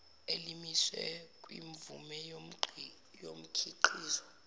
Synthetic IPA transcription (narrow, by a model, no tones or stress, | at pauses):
elimiswɛ̰kʼwiɱvumɛ | jom̩kʰiǃʰiːzwɔ